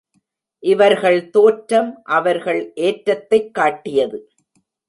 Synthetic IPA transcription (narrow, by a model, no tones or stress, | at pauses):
ʔɪʋɐɾɣɐɭt̪oːʈɾɐmʔɐʋɐɾɣɐɭʔeːʈɾɐt̪ːɐɪkːaːʈːɪjɐðɯ